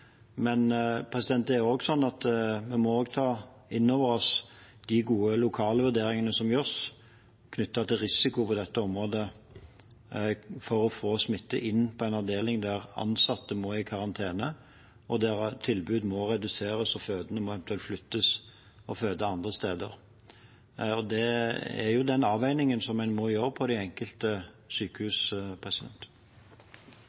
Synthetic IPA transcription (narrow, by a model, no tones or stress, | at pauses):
mɛnpʰʁɛsɪd̪ɛnt̪æɾoːɡsɔnːɑt̪mɛmɔoːɡt̪ʰɑː | ɪnːoːʋəʁɔsd̪̥ɪɡuːəlʊkʰɑːləʋʉʁd̪eːɾɪŋənəsɔmjœs | kʰnʏt̪ːɑt̪ʰɪlʁɪsɪkʊpʰɔd̪ɛt̪ːəɔmʁoːd̪ə | fɔɾɔfoːsmɪt̪ːəʔɪnːpʰɔæɪnɑd̪eːlɪŋd̪æʁɑ̰nsɑt̪ːəmoːɪkʰɑʁɑnt̪ʰeːnə | ɔd̪æʁt̪ʰɪlbʉːd̪mɔʁɛd̪ʉseːɾəsɔføːd̪ənəmɔɛʋənt̪ʉɛlt̪flʏt̪ːəs | ɔføːd̪əɑnd̪ʁəst̪eːd̪ə̰ʁ | ɔd̪ɛæ̰jʊd̪ɛnɑːʋæɪnɪŋənsɔmːæɪnmɔjøːɾəpʰɔd̪ɪɛŋkəlt̪ə | syːkəhʉːspʰʁɛsɪd̪ɛ̰nt̪